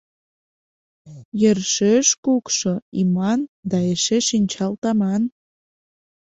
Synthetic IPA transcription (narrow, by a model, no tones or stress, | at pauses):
jərʃeʃkukʃoimɑnd̪ɑeʃeʃinʲt͡ɕɑlt̪ɑmɑn